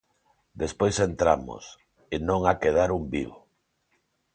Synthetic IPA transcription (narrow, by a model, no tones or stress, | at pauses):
d̪espojsent̪ɾamʊ̰s | enõŋakeð̞aɾumbiβo